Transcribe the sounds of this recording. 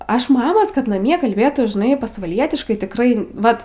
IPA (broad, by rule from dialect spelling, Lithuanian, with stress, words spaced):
ˈɐʃ ˈmɑːmoːs kɐt nɐˈmʲiɛ kɐlʲˈbʲeːtuː ʒʲɪˈnɐɪ pɐsʋɐˈlʲiɛtʲɪʃkɐɪ tʲɪkˈrɐɪ ˈʋɐt